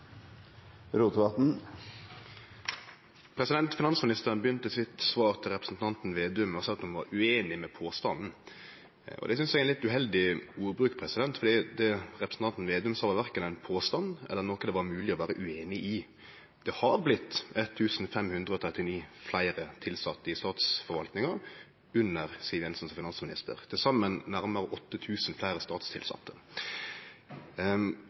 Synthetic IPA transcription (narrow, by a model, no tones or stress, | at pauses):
ɾuːt̪ʋɑt̪n̩ | pʰɾɛsɪd̪ɛnt̪fɪnɑnsmɪnɪst̪əɾnbjʏnt̪əsɪt̪sʋɑːɾt̪ʰɪlʁɛpɾəsn̩t̪ʰɑnt̪n̩ʋeːd̪ʉmɑsɛlt̪ɔmʋɑ̰ɾʉeːnɪmɛpʰoːst̪ɑnn̩ | ɔ̰d̪ɛsʏnsæɪɛnlɪt̪ʉɦɛld̪ɪuːɾbɾʉːkpʰɾɛsɪd̪ɛnt̪fɔɾd̪iːd̪ɛɾɛpɾəsn̩t̪ɑnt̪n̩ʋeːd̪ʉmsɑːʋɑʋæɾkənæɪnpʰoːst̪ɑnɛ̰lːənɔkːəd̪ɛʋɑɾmʉːlɪɔʋæːɾəʔʉeːnɪʔɪ | d̪̥ɛhɑɾblɪt̪ːɛt̪ʰːʉːsn̩fɛmhʉnd̪ʁəɔt̪ʰʁɛt̪ːɪniːflæɪɾət̪ʰɪlsɑt̪ːəɪst̪ɑːt̪sfɔɾʋɑlt̪nɪŋɑɾ | ʉnːəʁsiʋɛnsɔnsfɪnɑnsmɪnɪ̰st̪ə̰ʁt̪ʰɪlsɑmːənːæɾməʁəʔɔt̪ːət̪ʰʉːsn̩flæɪɾəst̪ɑːt̪st̪ʰɪ̰lsɑ̰t̪ʰːə